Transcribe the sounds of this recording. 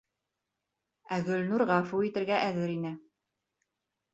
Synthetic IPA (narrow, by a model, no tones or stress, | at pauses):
æɣɵ̆lnuɾʁɑfuit̪ɘ̆ɾɡæʔæðɘɾinɘ